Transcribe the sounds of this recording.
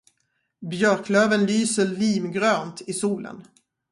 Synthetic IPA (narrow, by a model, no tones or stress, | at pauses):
bjœɾkløːvənlyːsəliːmɡɾøːnt̪ɪsuːlə̰n